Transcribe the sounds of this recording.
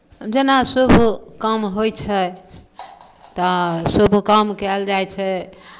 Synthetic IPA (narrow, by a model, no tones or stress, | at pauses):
d͡ʒenasubʱkəmɦojt͡ʃʰɛ | t̪ɔsubʱkəmkɛld͡ʒajt͡ʃʰɛ